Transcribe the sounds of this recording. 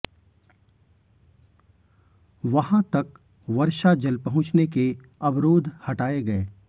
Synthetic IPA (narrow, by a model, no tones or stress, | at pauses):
ʋɐɦãt̪ɐk | ʋɐɾʃad͡ʒɐlpɐɦʊ̃t͡ʃneke | ɐbɾoːd̪ʱhɐʈaːeɡɐeː